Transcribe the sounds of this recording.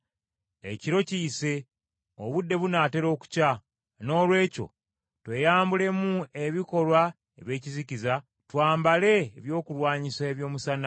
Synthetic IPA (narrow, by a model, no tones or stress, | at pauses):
ḛciɾo̞ciːse̞ | o̰βudːe̞βunaːte̞ɾo̞ːku̥ca | no̞ːlwe̞ːco̞̰ | twe̞jaːmbule̞mue̞βiko̞lwa | eβje̞ːciziciza | twaːmbale̞ːβjo̞ːkulwaːɲisaeβjo̞ːmusana